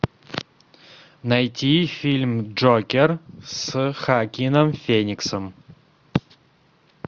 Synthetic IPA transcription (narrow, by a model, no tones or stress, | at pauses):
najt̪ʲʰifʲilʲmd͡ʒokʲersɨxakʲinɐmfʲenʲiksɨm